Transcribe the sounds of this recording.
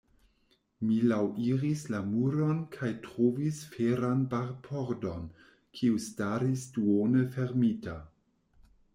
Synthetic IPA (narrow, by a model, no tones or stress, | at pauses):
milawʔiɾislamuɾonkʰajtɾovisfeɾanbaɾpʰoɾdo̞n | kʰiustaɾisduonəfe̞ɾmita